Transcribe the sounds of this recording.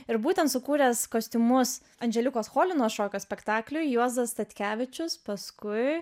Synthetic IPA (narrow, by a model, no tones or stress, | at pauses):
ɪɾbuːt̪ʲɛnt̪sʊkuːɾʲɛskoːsʲt̪ʲʊmʊs | ɐnʲd͡ʒʲɛlʲʊkoːsxoːlʲɪnoːsʃoːkʲoːsʲpʲɛkt̪ɑːklʲʊjjuɔzɐst̪ɐt̪ʲkʲæːʋʲɪt͡ʃʲʊspɐskʊɪ